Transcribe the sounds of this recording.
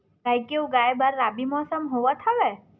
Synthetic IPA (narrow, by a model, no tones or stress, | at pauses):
kajkeuɡajbaɾːabimɔsəmɦoʋat̪ʰaʋe